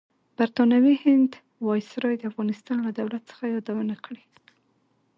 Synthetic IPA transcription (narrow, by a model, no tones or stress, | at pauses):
b̥aɾt̪ɑnawihɪnd̪ | wɑjsɾɑjd̪əafɣɑnɪst̪ɑnlad̪awlat̪̚sə̥xajɑd̪awənakɽe